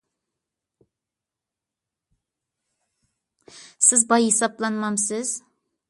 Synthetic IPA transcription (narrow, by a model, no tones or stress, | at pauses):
sɪzbɑjisɑplˠɑnmɑmsɪz̥